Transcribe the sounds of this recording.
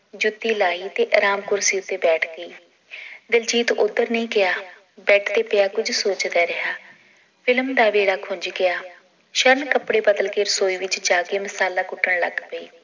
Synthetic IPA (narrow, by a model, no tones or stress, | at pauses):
d͡ʒʊt̪ːiːlaːiːt̪eːʔəɾaːmkʊɾsiːʊt̪ːeːbɛːʈʰɡəiː | d̪ɪld͡ʒiːt̪ʊd̪əɾnəĩːɡɪaː | bɛːʈʰd̪eːpɪaːkʊd͡ʒsoːt͡ʃd̪aːɾɪɦaː | pʰɪlmd̪aːʋeːɽaːkʰʊ̃ɲd͡ʒɡɪaː | ʃəɾnkəpɽeːbəd̪əlkeːɾəsoːiːʋɪt͡ʃd͡ʒaːɡeːməsaːlaːkʊʈːəɳlə̰ɡpəiː